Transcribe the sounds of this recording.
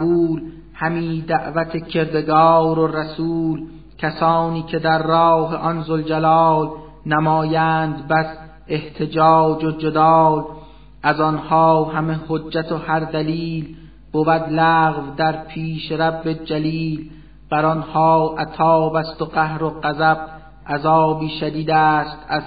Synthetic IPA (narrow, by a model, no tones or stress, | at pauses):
buːl | hæmiːd̪æʔvæt̪ʰe̞cʰe̞ɾd̪e̞ɡɒːɾoræsuːl | cʰæsɒːniːkʰe̞d̪æɾːɒːɦeʔɒnzold͡ʒælɒːl | næmɒːjæːnd̪bæs | e̞ht̪ʰe̞d͡ʒɒːd͡ʒod͡ʒed̪ɒːl | ʔæzɒnhɒːɦæmehod͡ʒːæt̪ʰohæɾd̪æliːl | b̥ovæd̪læːɣvd̪æɾpʰiːʃeɾæbːe̞d͡ʒæliːl | b̥æɾɒnhɒːʔæt̪ʰɒːbæst̪oɢæhɾo̞ɢæzæb̥̚ | ʔæzɒːbiːʃæd̪iːd̪æːst̪ʰæz